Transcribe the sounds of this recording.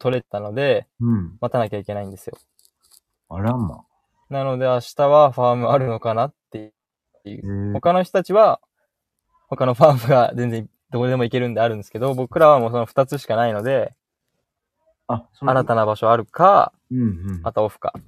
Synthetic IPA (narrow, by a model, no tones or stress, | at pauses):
t̪ʰo̞ɾe̞t̪ano̞d̪e̞mat̪anakʲaikʲe̞naĩnd̪e̞sɨjo̞̰ | aɾama̰ | nano̞d̪e̞aɕi̥t̪aβaɸaːmɯ̟aɾɯ̟no̞kanat̪ːe̞ | ejɯ̰ho̞kano̞ç̬t̪o̞t̪at͡ɕiβa | ho̞kano̞ɸamɯ̟ɡazẽ̞nd͡zẽ̞ŋ | d̪o̞kːd̪e̞mo̞ike̞ɾɯ̟nd̪e̞aɾɯ̟̃nd̪sɨ̥ke̞d̪o̞bo̞kɯ̟ɾaβamo̞ːs̬o̞noɸɯ̟̥t̪at͡sɨɕi̥kanaino̞d̪e̞ | aɾat̪anabaɕo̞aɾɯ̟ka̰ | mat̪ao̞ɸɯ̟̥ka̰